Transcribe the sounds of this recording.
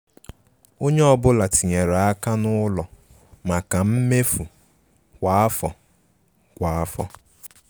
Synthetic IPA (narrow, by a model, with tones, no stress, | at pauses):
o˦ɲe˦ɔ˦˨bʊ˦la˨ti˨ɲe˨ɾa˨a˦ka˦nʊ˦lɔ˨ | ma˨ka˨m̩˦me˦fu˨ | kʷa˨a˦fɔ˨ | kʷa˨a˦fɔ̰˦